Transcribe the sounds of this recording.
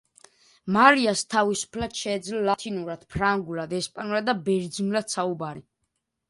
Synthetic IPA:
maɾiast̪ʰavisu̥pʰlad̪̥ʃɛːd̪zlɔlat̪ʰinuɾad̪̥pʰɾaŋɡulad̪ɛspʼanuɾad̪d̪abɛɾd̪zinulad̪̥saubaɾi

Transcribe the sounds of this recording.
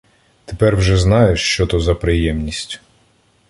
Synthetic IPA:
t̪epɛrwʒɛznɑjeʃt͡ʃɔt̪ɔzɐpɾɪjɛmnʲisʲtʲ

